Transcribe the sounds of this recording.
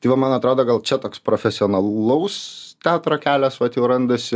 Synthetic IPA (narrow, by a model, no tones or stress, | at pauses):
t̪ɐɪʋɐmɐnɐt̪ɾoːd̪oːɡɐlˠt͡ʃʲɛt̪oːkspɾoːfʲɛsʲɪoːnɐɐʊst̪ʲæːt̪ɾoːkʲæːlʲɛsʋɐt̪jɛʊɾɐnd̪ɐsʲɪ